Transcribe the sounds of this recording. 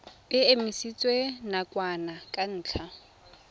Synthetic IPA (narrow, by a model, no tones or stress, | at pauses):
bɪemisit͡sʼwenakʼwanakʼan̩ːt͡ɬʰa